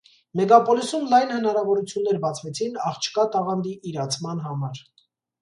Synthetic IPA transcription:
mɛɡɑpɔlisumlɑjnhənɑɾɑvɔɾut͡sʰjunːɛɾbɑt͡sʰvɛt͡sʰinɑχt͡ʃʰkɑt̪ɑʁɑnd̪iʔːɾɑt͡sʰmɑn̪ɦɑmɑɾ

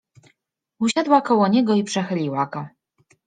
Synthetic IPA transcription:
uɕad̪wakɔwɔɲɛɡɔipʂɛxɘlʲiwaɡɔ

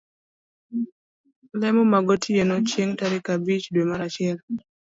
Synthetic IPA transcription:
lɛmɔmaɡɔtʰienɔt͡ʃjeŋtaɾɪkabit͡ʃdwemaɾat͡ʃɪɛl

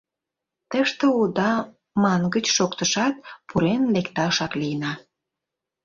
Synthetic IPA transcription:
t̪əʃt̪əud̪ɑ | mɑnɡət͡ɕʃokt̪əʃɑt̪̚pʰuɾenlekt̪ɑʃɑklijənɑ

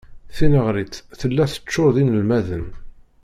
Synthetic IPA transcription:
θinəʁɾit͡sθəlːæθə̥t͡ʃːʊðinəlmæðən

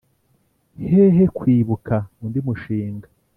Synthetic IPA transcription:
heɦekwiːβukaundimuʃiːŋɡa

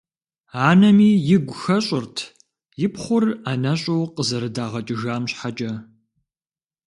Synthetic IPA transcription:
aːnɐmiːjɪɡʷʊxɐɕʼɪrtʰ | jɪpχʷʊraːnɐɕʼɐwqəzɐɾɨdaːʁɐt͡ʃʼɪʒaːmɕħat͡ʃʼɐ

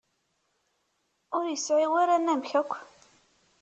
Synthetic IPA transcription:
ʊɾjəsʕiwaɾænæmçækʷː

